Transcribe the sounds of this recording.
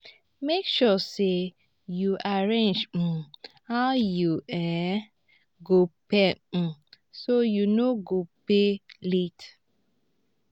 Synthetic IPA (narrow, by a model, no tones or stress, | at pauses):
mekʃɔse | juʔaɹẽnd͡ʒ̩ | hajuɛ̃ | ɡopɛ | sojunoɡopelit